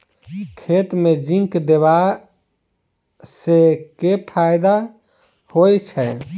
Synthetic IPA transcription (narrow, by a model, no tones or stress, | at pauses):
kʰet̪med͡ʒĩŋkd̪eβa | sekepʰajd̪a | hojt͡ʃʰɛ